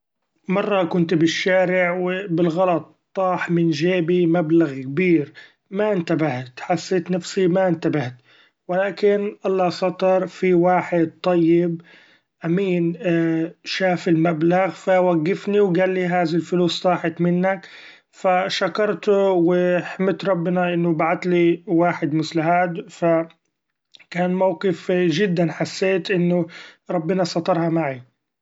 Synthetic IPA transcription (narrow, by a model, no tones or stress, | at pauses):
mɑrˤːɑkʊnt̪bɪʃːaːɾɪʕwɪbɪlɣɑlɑt̪̚ˤː | ɑːħmɪnʒeːbimablaɣkbiːɾ | maʔɪnt̪abaht̪ħasːeːt̪nafsimaʔɪnt̪abaht̪ | wɪlaːkɪnʔɑlˤːɑsɑt̪ˤɑɾˤfiwaːħɪd̪̚t̪ˤɑjːɪb̚ | ʔamiːn | ʃaːfɪlmablaɣfawaɡːɪfniwɡaːlːiɦaːðalfʊluːsːˤɑːħɪt̪mɪnːak | faʃakɑɾˤt̪ʊwɪħɪmɪt̪ɾˤɑbːɪnaʔɪnːʊbaʕat̪liwaːħɪd̪mʊslaɦaːd̪fa | kaːnmawqɪfʒɪd̪ːanħasːeːt̪ʔɪnːʊɾˤɑbːɪnɑsˤɑt̪ˤɑɾˤhɑmaʕi